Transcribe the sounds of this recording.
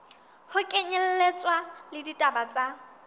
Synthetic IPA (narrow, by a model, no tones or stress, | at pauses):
hʊkʼeɲɛl̩let͡sʼwalɪditʼabat͡sʼa